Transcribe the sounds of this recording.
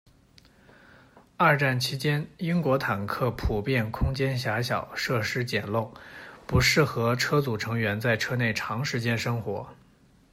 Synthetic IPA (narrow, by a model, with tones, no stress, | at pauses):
a˞˥˧ʈ͡ʂa˥˩nt͡ɕʰi˧˥t͡ɕjɛ˥ni˥ŋkwɔ˧˥t̪ʰa˨˩nkʰɤ˥˩pʰu˨˩pjɛ˥˩nkʰʊ˥ŋt͡ɕjɛ˥nɕ̬ja˧˥ɕjɑ˨˩˦ʊʂɤ˥˩ʂɻ̩˥t͡ɕjɛ˨˩nlʊ˥˩ŋpu˧˥ʂɻ̩˥˩xɤ˧˥ʈ͡ʂʰɤ˥t͡su˨˩ʈ͡ʂʰɤ˧˥ŋɥɛ˧˥nt͡sa˥˩ɪʈ͡ʂʰɤ˥ne˥˩ɪʈ͡ʂʰɑ˧˥ŋʂɻ̩˧˥t͡ɕjɛ˥nʂɤ˥ŋxwɔ˧˥